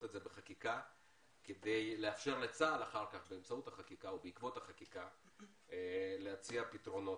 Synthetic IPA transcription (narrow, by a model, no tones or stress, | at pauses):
tetzebeχakika | ked̪e̞jleafʃe̞ʁlet͡saːlaχaʁkaχbeemt͡sauthaχakikaubeikvo̞thaχakika | leat͡siapitʁo̞no̞